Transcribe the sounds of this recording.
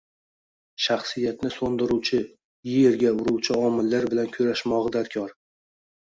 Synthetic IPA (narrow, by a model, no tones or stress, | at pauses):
ʃaχsɪjat̪nɪsond̪ɪɾuwt͡ʃʰɪ | jɪjje̞ɾɡʲaʊɾuwt͡ʃʰɪɒmɪlːaɾbɪlankʲʰʊɾaʃmɒʁɨd̪aɾkʲʰɒɾ